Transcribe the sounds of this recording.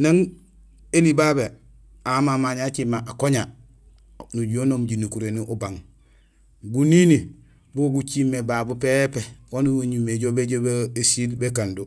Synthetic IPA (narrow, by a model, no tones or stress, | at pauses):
naŋ | elibaːbe | amamaɲat͡ʃimːaʔakoɲa | nuɟonomɟinukuɾeniʔubaŋ | ɡunini | buɡut͡ʃimːebaːbupepewonuwoɲumeɟobeɟobesilbekandu